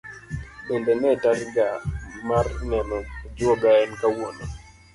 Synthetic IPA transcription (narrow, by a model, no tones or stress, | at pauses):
ɓɛndɛnɛtaɾiɡamarnɛnɔd͡ʒɔɡaɛnkawɔnɔ